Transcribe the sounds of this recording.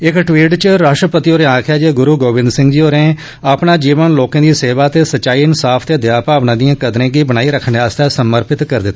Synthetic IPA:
ɪkʈʋiːʈt͡ʃɾaːʂʈɾəpət̪iːɦoːɾẽːãːkʰjaːd͡ʒeːɡʊɾuːɡoːʋɪ̃nd̪sɪ̃ŋɡd͡ʒiːoːɾẽː | aːpɳaːd͡ʒiːʋənloːkãːd̪iːseːʋaːt̪eːsəʃaːiːɪnsaːpʰt̪eːd̪ɪjaːpaːʋnãːd̪ijãːkəd̪ɾẽːɡiːbənaːiːɾəkʰɳeaːst̪ɛːsəməɾpɪt̪kəɾd̪ɪt̪ː

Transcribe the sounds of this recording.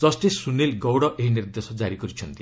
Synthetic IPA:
d͡zʌsʈesunːelɡɔwɽʌʔeɦinird̪esʌd͡zaɾiɡʌɾit͡sʰʌnt̪i

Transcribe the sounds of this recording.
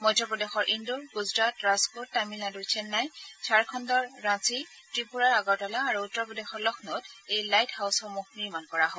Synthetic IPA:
mɔjtɔpɔdexɔɹʔinduɹɡuzɹatɹãzkutamilnadujt͡ʃʰɛnːajsʰaɹkʰɔndɔɹːãsi | tɹipuɹaɹaɡɔwtɔlaːɹuutːɔɹpɔdexɔɹlɔxʰnɔtejlajtʰhawsɔmoxniɹmankɔɹaɦo

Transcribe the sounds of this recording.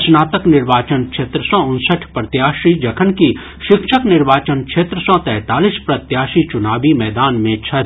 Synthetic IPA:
snaːt̪əknɪɾʋaːt͡ʃənkʃʰeːt̪ɾəsɔʊnsəʈʰpɾɐt̪jaːʃid͡ʒɐkʰənki | ʃɪkʃəknɪɾʋaːt͡ʃənkʃeːt̪ɾəsɔt̪ɛːt̪aːlispɾɐt̪jaːʃit͡ʃʊnaːʋimɛːd̪aːnmẽt͡ʃʰɐ

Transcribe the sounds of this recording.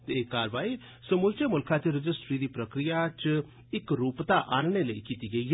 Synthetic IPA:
t̪eːkaːɾʋaːi | səmʊlt͡ʃemʊlkʰãt͡ʃiɾɪd͡ʒɪsʈɾid̪iːpɾəkɾijat͡ʃ | ɪkɾuːpt̪aʔaːnɽ̃eləḭkiːt̪iɡəiɦ

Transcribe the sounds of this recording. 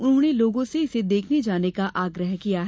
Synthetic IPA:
ʊnɦõneloːɡõseɪsed̪eːkʰned͡ʒaːnekaʔaːɡɾəɦkijaɦɛ

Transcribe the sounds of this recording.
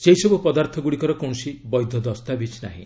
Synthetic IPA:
sejsɔbupɔd̪aɾt̪ʰɔɡuɽikɔɾɔkɔ̃sibɔjd̪ʱːɔd̪ɔst̪abit͡ʃna̰ɦḭ̃

